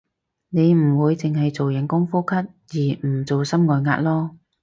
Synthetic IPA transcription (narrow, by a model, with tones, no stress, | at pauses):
ne˨˧jm̩˨˩wuː˨˧jt͡sɪ˨ŋɦɐ˨jt͡so˨wjɐ˨˥ŋkʊ˥ŋfuː˥kʰɐ˥t̚ | jiː˨˩m̩˨˩t͡so˨wsɐ˥mŋɔː˨jŋa̰ː˧t̚lɔː˥